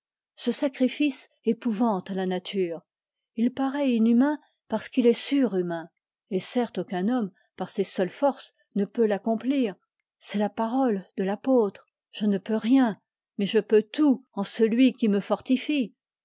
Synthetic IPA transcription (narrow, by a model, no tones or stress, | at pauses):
səsakχifis | epuvɑ̃t̪alanat̪ʰyːʁ | ilpaʁɛinymɛ̃ | paʁsə̥kilɛsyʁymɛ̃ | esɛʁt̪okɛ̃nɔm | paʁsesœlfɔʁs | nəpølakɔ̃pliːʁ | sɛlapaʁɔld̪əlapot̪χ | ʒ̥ənəpøʁjɛ̃ | mɛʒəpøt̪uɑ̃səlɥikʲiməfɔʁt̪ifi